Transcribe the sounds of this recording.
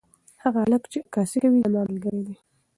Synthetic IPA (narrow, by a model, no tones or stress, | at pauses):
haɣaaləkt͡ʃekɑsikawilamɑnlɡəɾed̪e